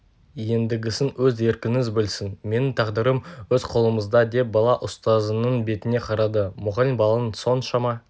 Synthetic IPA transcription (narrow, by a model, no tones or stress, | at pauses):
je̞nd̪ɪɡʲɪsɪnwɵze̞ɾkʲɪnɪzbɪlsɪnme̞nɪŋt̪ʰɑʁd̪əɾəmwɵzqʰo̞lˠəməzd̪ɑd̪e̞bɑlˠɑʔʊst̪ɑzənəɴbe̞t̪ɪne̞qʰɑɾɑd̪əmʊʁɑlɪmbɑlˠɑnso̞nʃɑmɑ